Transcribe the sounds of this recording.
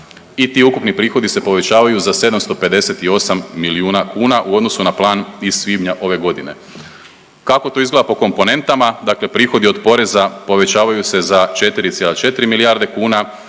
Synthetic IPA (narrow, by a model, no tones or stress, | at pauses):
it̪iːukupnipɾiːxo̞d̪ise̞po̞ʋe̞t͡ɕaːʋajuzase̞d̪amst̪o̞pe̞d̪e̞se̞t̪io̞samːiliuːnakuːnaʔuo̞d̪no̞sunaplˠaːniz̥sʋibɲaʔo̞ʋe̞ɡo̞d̪ine̞̰ | kako̞t̪o̞izɡle̞d̪apoko̞mpo̞ne̞nt̪amad̪aːkle̞pɾiːxo̞d̪io̞d̪po̞ɾe̞zapo̞ʋe̞t͡ɕaːʋajuse̞zat͡ʃe̞t̪iɾit̪sjelat͡ʃe̞t̪iɾimilijaɾd̪e̞kuːna